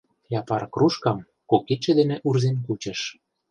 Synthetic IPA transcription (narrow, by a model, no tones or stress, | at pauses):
jɑpɑrkruʃkɑm | koket͡ʃĕd̪enĕʔurzenk̬ut͡ɕə̆ʃ